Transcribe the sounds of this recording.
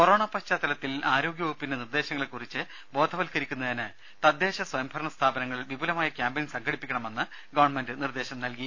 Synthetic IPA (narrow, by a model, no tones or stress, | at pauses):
koɾo̞ːɳaːpɐɕt͡ɕaːt̪ɐlɐt̪ːilaːɾo̞ːɡjɐɐpːindenird̪e̞ːɕɐŋːɐɭekːurit͡ɕːɨ | bo̞ːd̪ʱɐʋɐlkɐɾikʲːunːɐðinɨ | t̪ɐd̪ːe̞ːɕɐswɐjɐmbʱɐɾɐɳɐst̪ʰaːbɐnɐŋːɐɭiʋibʱulɐmaːjɐkʲjaːmbɐninsɐŋkʰɐɽipːikʲːɐɳɐme̞nːɨ | ɡɐʋɐɳme̞ndɨnird̪e̞ːɕɐmnɐlki